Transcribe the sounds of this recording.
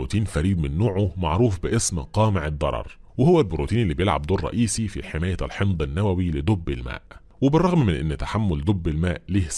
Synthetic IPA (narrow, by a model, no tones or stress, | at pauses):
o̰ːt̪iːnfæɾiːd̪mɪnːoːʕoma̰ʕɾuːfbɪʔesmqɑːmɪʕɪd̪ˤːɑ̰ɾˤɑ̰ɾˤwɪhowːælboɾuːt̪iːnʔlːiːbjelʕa̰b̚d̪oːrˤːɑ̰ʔiːsifḭħemæːjæʔlħemd̪ˤɪnːæwæwilɪd̪ˤobːɪlmæ̰ːʔ | wɪbɪrˤːɑɣmmɪnʔɪnːt̪ḁħamːʊld̪ˤobːɪlmæːʔliːhs